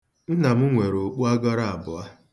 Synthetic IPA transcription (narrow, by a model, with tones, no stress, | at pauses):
n̩˦na˨m̩˦ŋʷe˨ɾo˨k͡pu˦a˦ɡɔ˦ɾa˦a˨bʊ˨a˦